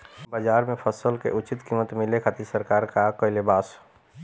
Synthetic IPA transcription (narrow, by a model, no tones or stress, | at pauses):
baːd͡ʒaːɾmẽpʰəsəlkḛʔʊt͡ʃɪt̪kimət̪mɪlekʰat̪isəɾkaːɾkakɔɪlebaːs